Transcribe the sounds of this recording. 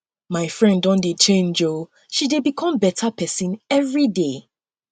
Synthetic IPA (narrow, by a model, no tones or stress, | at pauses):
maɪfɹɛ̃ndɔ̃ndet͡ʃẽnd͡ʒo | ʃidebikʰɔ̃mbɛtʰapʰɛsĩnɛvɹide